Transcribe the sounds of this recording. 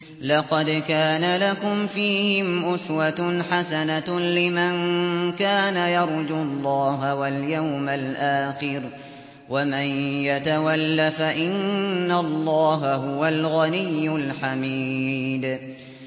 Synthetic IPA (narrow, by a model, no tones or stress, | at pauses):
lɑqɑd̪kaːnalakʊmfiːhɪmʔʊswat̪ħasanalɪmankaːnajɑɾˤd͡ʒʊlˤːɑːɦawaljawmalʔaːxɪɾ | wamanjat̪awalːafaʔɪnːalˤːɑːɦaɦʊwalɣanɪjːʊlħamiːd̪